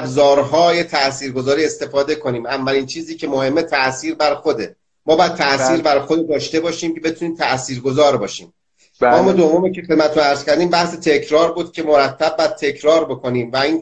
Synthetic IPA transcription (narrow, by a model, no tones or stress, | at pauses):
bzɒːɾɦɒːje̞t̪ʰæʔsiːɾɡo̞zɒːɾiːe̞st̪e̞fɒːd̪e̞kʰo̞niːmæmvæliːnt͡ʃʰiːziːcʰe̞mohe̞mːet̪ʰæʔsiːɾbæɾxo̞d̪e̞ | mɒːbɒːjæd̪̚t̪ʰæʔsiːɾbæɾxod̪ed̪ɒːʃt̪e̞bɒːʃiːmcʰebe̞t̪ʰuniːmt̪ʰæʔsiːɾɡo̞zɒːɾbɒːʃḭːm | ɒːmed̪o̞vːomiːcʰe̞xed̪mæet̪ʰunæɾz̥cʰæɾd̪iːmbæhset̪ʰe̞cʰɾɒːɾbuːd̪̥cʰe̞moɾæt̪ʰːæb̚bɒæd̪̚t̪ʰe̞cʰɾɒːɾbo̞kʰo̞niːmvæiːn